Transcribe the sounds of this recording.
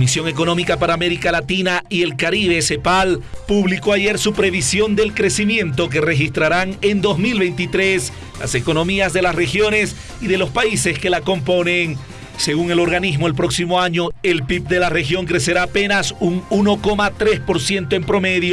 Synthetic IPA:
misjo̞ŋe̞ko̞nõ̞mikapaɾaːme̞ɾikalat̪inaie̞lkaɾiβe̞se̞palpuβliko̞aʝe̞ɾsupɾe̞βisjo̞nd̪e̞lkɾe̞simjẽ̞nt̪o̞k̬ere̞xist̪ɾaɾaŋe̞nd̪o̞zmilβe̞jnt̪it̪ɾe̞s | la̰se̞ko̞no̞miazðe̞lasre̞xjo̞ne̞s | iðe̞lo̞spaise̞ske̞lako̞mpo̞ne̞ŋ | se̞ɣuŋe̞lo̞ɾɣanizmo̞elpɾo̞ksimo̞aɲo̞e̞lpip̚d̪e̞lare̞xjo̞ŋkɾe̞se̞ɾaːpe̞nasuŋuno̞ko̞mat̪ɾe̞spo̞ɾsje̞nt̪oe̞mpɾo̞me̞ðjo

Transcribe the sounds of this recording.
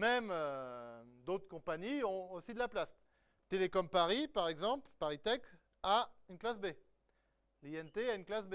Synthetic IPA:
mɛmø | d̪ot̪χkɔ̃paɲiɔ̃osid̪əlaplas | t̪elekɔmpaʁipaʁɛɡzɑ̃plpaʁit̪ɛk | aynklasbe | liɛnt̪eaynklasbe

